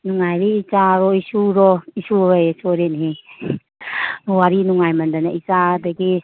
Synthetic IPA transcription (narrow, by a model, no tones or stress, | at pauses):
nuŋajɾeit͡ʃaɾɔisuɾɔisuajesuɾenɦe | ɔaɾinuŋajmandanait͡ʃadaɡi